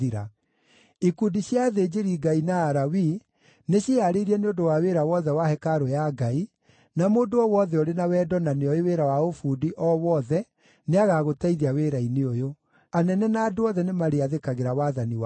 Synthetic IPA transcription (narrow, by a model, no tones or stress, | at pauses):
iɾa | ikundiɕjaðed͡ʑeɾiɡainaːɾawi | neɕiaɾeiɾiɛneondowaweɾawɔðɛwahɛkaɾojaɡai | namoːndoɔwɔðɛoɾenawɛːdɔnaneɔeweɾawaofuːdiʔɔwɔðɛ | neaɣaɣotaiðiaweːɾaineojo | anɛnɛnaːdoɔðɛnemaɾeaðekaɣeɾawaðaniw